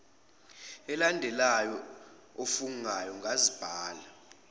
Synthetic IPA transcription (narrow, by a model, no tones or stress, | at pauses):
ɛlandʱɛlajɔ | ofuŋajɔŋɡʱazib̥ʱaːla